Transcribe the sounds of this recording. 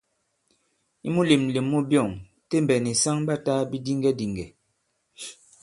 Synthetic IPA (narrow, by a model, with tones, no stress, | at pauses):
i˦mu˦le˨mle˨mːu˦bjɔ˦˨ŋ | te˦m˨bɛ˨ni˨sa˦ŋba˦ta˦bi˦di˦ŋɡɛ˦di˨ŋɡɛ˨